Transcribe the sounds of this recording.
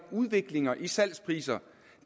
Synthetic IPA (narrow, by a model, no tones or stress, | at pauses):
uð̞ˠʋe̝ɡ̥le̝ŋɐʔisæl̰spʰʁḭːsɐ̥